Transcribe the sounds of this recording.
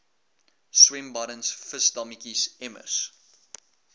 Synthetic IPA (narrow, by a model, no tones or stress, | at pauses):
swɛ̃mbɐɾənsfəsdɐmikisɛmə̰s